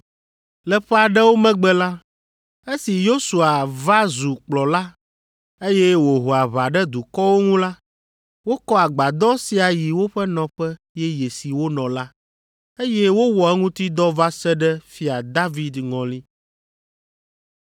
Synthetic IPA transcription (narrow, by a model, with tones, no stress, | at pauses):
lɛ˨ɸɛ˦a˨ɖɛ˦wo˦mɛ̃˦ɡ͡bɛ˦la˦ | e˦si˨jo˦su˨a˨va˦zu˨k͡plɔ˨la˦ | e˦jɛ˦wo˨ɦo˨a˨βa˨ɖɛ˦d̪u˨kɔ˦wo˦ŋũ˦la˦ | wo˦kɔ˦a˨ɡ͡ba˨d̪ɔ˦si˨˦a˨ji˨wo˦ɸɛ˦nɔ̃˨ɸɛ˦ | jɛ˦je˨si˨wo˦nɔ̃˨la˦ | e˦jɛ˦wo˦wɔ˨ɛ˦ŋũ˦t̪i˦d̪ɔ˦va˦sɛ˦ɖɛ˦fi˦a˨d̪a˦vi˦d̪ŋɔ̃˨li˦